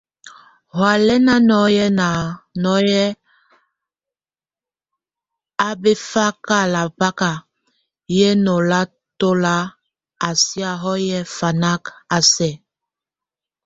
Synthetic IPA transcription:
hwa˨lɛ˦na˦nɔ˨˦jɛ˦na˨nɔ˨˦jɛ˦ | a˦be˦fa˦ka˦˨la˨pa˦ka˨ | jɛ˦no˨la˦ | to˦la˦ | a˨si˦a˨ɦɔ˦jɛ˦fa˨na˦ka˨sɛ˨

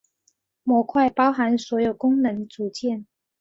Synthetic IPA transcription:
mwɔ˨˥kʰwa˥˩ɪpɑ˥ʊxa˧˥nswɔ˧˥jo˨˩ʊkʊ˥ŋnə˧˦ŋt͡su˨˩t͡ɕjɛ˥˩˨n

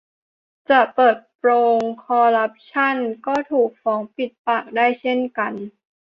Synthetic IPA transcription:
t͡ɕa˨˩pɤː˨˩t̪̚pɾoː˧ŋkʰɔː˧ɾa˦˥p̚t͡ɕʰa˥˩˨nkɔː˥˩t̪ʰuː˨˩k̚fɔː˩˦ŋpi˨˩t̪̚paː˨˩k̚daː˥˩jt͡ɕʰe˥˩nka˧n

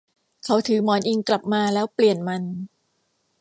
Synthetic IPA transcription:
kʰa˨˦wt̪ʰɯː˩˦mɔː˩˦nʔi˧ŋkla˨˩p̚maː˧lɛː˦˥wpli˨˩ənma˧n

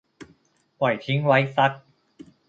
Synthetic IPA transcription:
wɐ˨˩jt͡ɕʰi˨˥ŋwɐ˨˧˥jsɐ˦˥t̚

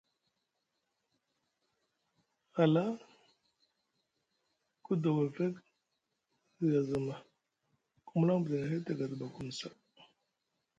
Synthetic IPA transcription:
a˨la˦ | ku˦do˨wa˨ve˦k | i˨ɡa˨zə˨ma˨ | ku˦mu˦la˦ŋ˦bu˨da˨ŋa˨ɦe˦ta˨ɡa˨dba˨ku˦˨m˨sa˨

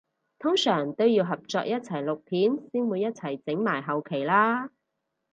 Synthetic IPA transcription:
t̪ʰʊ˥ŋsœː˨˩ŋt̪o˥wjiː˧wɦɐ˨p̚t͡sɔː˧k̚jɐ˥t̚t͡sʰɐ˨˩jlʊ˨k̚p̪ʰiː˨˥nsiː˥nwuː˨˧jːɐ˥t̚t͡sʰɐ˨˩jt͡sɪ˨˥ŋmaː˨˩jɦɐ˨wkʰe˨˩jlaː˥

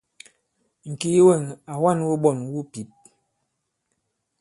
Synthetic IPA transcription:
ŋ̩˨ki˦wɛ˦˨ŋa˨wa˦˨nwu˦ɓɔ˦˨nwu˦pi˨˦p̚

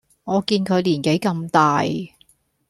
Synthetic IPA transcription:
ŋɔː˨˧kiː˧nkʰɵ˨˧ɥliː˨˩nke˨˥jkɐ˧mt̪aː˨j

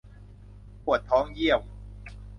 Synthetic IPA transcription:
kʰu˨˩ə˩t̪ʰːɔː˦˥ŋji˥˩əw

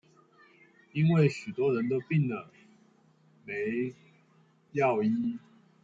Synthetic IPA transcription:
i˦˥nwe˥˩ɪɕy˨˩t̪wɔ˦˥ɻə˧˦nt̪o˥ʊpi˥˨˩ŋd̪ə˩ | me˨˦ɪ | jɑ˥˨ʊi˥˦

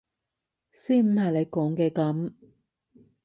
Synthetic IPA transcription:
siː˥m̩˨˧hɐ˨˩jle˨˧jkɔː˨˥ŋkɛː˧kɐ˨˥m

